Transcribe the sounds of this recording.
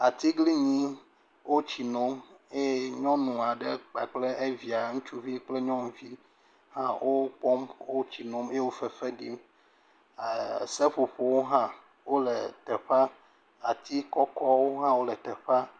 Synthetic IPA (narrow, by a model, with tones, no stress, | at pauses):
a˨t̪i˦ɡli˦ɲĩ˦ | wo˦t͡ɕi˨nõ˦me˦ɲɔ̃˦nũ˨a˨ɖe˦k͡pa̰˨k͡ple˦ʔe˦vi˨a˨ŋũ˦t͡ʃu˦vi˦k͡ple˦ɲɔ̃˦m˨vi˦ | hã˦wʔo˦k͡pɔ˦mwo˦t͡ɕi˨no˦m˦e˦wo˦fɛ˨ɸe˦ɖḭ˦m˨ | se˦ɸo˨ɸo˨wo˦ɦã˦ | wo˦le˨t̪ɛ˨ɸa˦ | a˨t̪i˦kɔ˦kɔ˦wo˦ɦã˦wo˦lɛ˨t̪ɛ˨ɸa˦